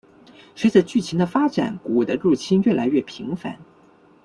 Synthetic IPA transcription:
ʂwe˧˥t͡sə˨˩t͡ɕy˥˩t͡ɕʰi˧˥nd̪ə˧fa˥ʈ͡ʂa̰˨˩˦nku˨˩d̪ə˦ɻu˥˩t͡ɕʰi˥nɥɛ˥˩la˧˥ɪɥɛ˥˩pʰi˧˥ŋfa̰˧˥˦n

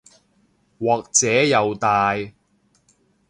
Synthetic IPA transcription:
wɔː˨k̚t͡sɛː˨˥jɐ˨wt̪aː˨˧j

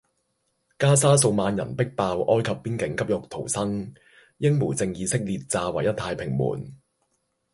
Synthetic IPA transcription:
kaː˥s̬aː˥s̬o˧wmaː˨˧njɐ̰˨˩npɪ˥k̚paː˧wʔɔː˥jkʰɐ˨pːiː˥nkɪ˨˥ŋkɐ˥p̚jʊ˨k̚t̪ʰo˨˩wsɐ˥ŋ | jɪ˥ŋmuː˨˩t͡sɪ˧ŋjiː˨˧sɪ˥k̚liː˨t̚t͡saː˧wa̰˨jɐ˥t̪ʰːaː˧jpʰɪ˨˩ŋmṵː˨˩n

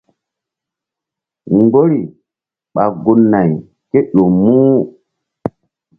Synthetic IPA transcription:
ŋɡo˦ɾi˨ | ɓa˨ɡu˨nːa˨j | ke˦ɗo˨mu˦

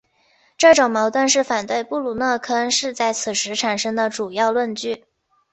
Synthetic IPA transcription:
ʈ͡ʂɤ˥˩ʈ͡ʂʊ˨˩ŋmɑ˧˥ʊt̪wə˥˧nʂɻ̩˥˩fa˨˩nt̪we˥˧ɪpu˥˩lu˨˩nɤ˥˩kʰɤ˥˧ʂɻ̩˥˧t͡sa˥˩ɪt͡sʰɹ̩˨˩ʂɻ̩˧˥ʈ͡ʂʰa˨˩nʂɤ˥ŋd̪ə˨ʈ͡ʂu˨˩jɑ˥˧ʊlwə˥˧nt͡ɕy˥˩

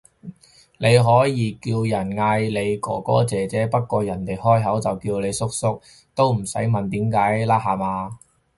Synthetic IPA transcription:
ne˨˧jɦɔː˨˥jiː˨˧kiː˧wjɐ˨˩nŋaː˧jle˨˧jkɔ̰ː˨˩kɔ̰ː˥t͡sɛː˨˩t͡sɛː˨˥pɐ˥t̚kʷːɔː˧jɐ˨˩nt̪e˨jhɔː˥jɦɐ˨˥wt͡sɐ˨wkiː˧wle˨˧jsʊ˥k̚sʊ˥k̚ | t̪o˥wm̩˨˩sɐ˨˥jmɐ˨nt̪iː˨˥mkaː˨˥jlaː˥haː˨maː˨˧

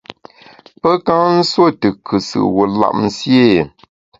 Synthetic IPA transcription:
pə˦ka˦n̩˦swo˦˨tɨ˨kʰɨ˨sɨ̰˨ʔwo˨la̰˨ʔm̩˨sje˦˨

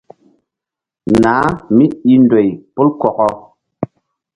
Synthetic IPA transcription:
naː˨˦mi˦i˦ndo˨jpu˦lkɔ˨kɔ˧

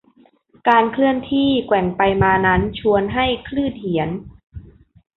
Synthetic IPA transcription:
kaː˧nkʰlɯ˥˩ənt̪ʰiː˥˩kwɛ˨˩ŋpa˧jmaː˧na˦˥nt͡ɕʰu˧ənɦa˥˩jkʰlɯː˥˩t̪̚hi˩˦ən

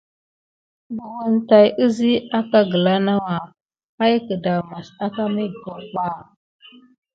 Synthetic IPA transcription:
bu˨wu˨nta˨jʔə˦zi˦a˦ka˦ɡə˨la˦na˦wa˨ | a˦jkə˨da˨ma˨sa˦ka˦mi˦ɡo˨k͡pa˦˨

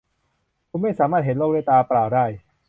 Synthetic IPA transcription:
kʰu˧˥nma˥˩jsaː˩˦maː˥˩t̪̚ɦe˨˦nloː˥˩k̚da˥˩t̪aː˧plaː˨˩wdaː˥˩j

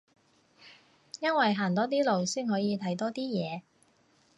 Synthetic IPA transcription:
jɐ˥nwɐ˨jɦaː˨˩nt̪ɔː˥t̪̬iː˥lo˨wsiː˥nɦɔː˨˥jiː˨˧t̪ʰɐ˨˥jt̪ɔː˥t̪iː˥jɛː˨˧

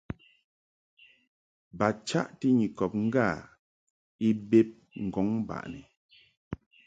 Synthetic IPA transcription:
ba˨t͡ʃa̰˦ʔti˦ɲi˨kɔ˨p̚ŋ̩˦ɡa˦˨ | i˦be˦p̚ | ŋ̩˨ɡɔ˨˦ŋba̰˨ʔnɛ˨

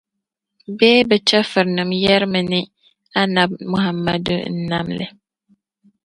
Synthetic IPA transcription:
bɛː˦bɛ˨t͡ʃɛ˦fɨ˨ɾnɨ˨mjɛ˦ɾmɨ˨nɪ˦ | a˦na˨b̚mʊ˨ɦa˨mːa̰˦dʊ̰˦n̩˦na˦mlɨ̰˨

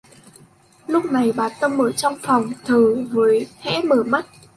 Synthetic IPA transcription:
lʊ˦˥k͡p̚na˨˩jɓaː˨˩nt̪ə˧mʔəː˧˩t͡ɕɔ˧wŋ͡mfɔ˨˩wŋ͡mt̪ʰəː˨˩vəː˨˦jhɛ̰˧˥məː˧˩ma˦˥t̚

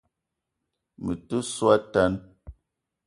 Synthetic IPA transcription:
mə˨tə˦swa˦ta˦n

